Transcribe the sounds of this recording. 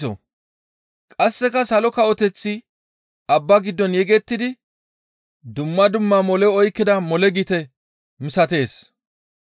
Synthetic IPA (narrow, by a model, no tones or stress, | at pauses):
sɔ̰ | kʼɐsːɛkɐsɐlɔkɐʔɔt̪ɛt͡sːɪ | ʔɐbːɐɡɪd̪ːɔnjɛɡɛt̪ːɪd̪ɪ | d̪ʊmːɐd̪ʊmːɐmɔlɛɔjkːɪd̪ɐmɔlɛɡit̪ɛ | mɪsɐt̪e̞ːs